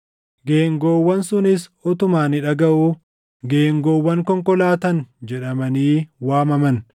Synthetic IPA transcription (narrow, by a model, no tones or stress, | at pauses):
ɡeːŋɡoːwːɐnsʊnɪsɔt̪ʊmaːnɪᶑɐɡɐʔu | ɡeːŋɡoːwːɐŋkɔŋkɔlaːt̪ɐnd͡ʒɛᶑɐmɐniːwaːmɐmɐn